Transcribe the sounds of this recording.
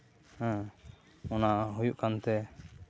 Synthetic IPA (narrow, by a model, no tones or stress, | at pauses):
hɛ̃ | ɔnaʔɦujuʔkant̪ɛ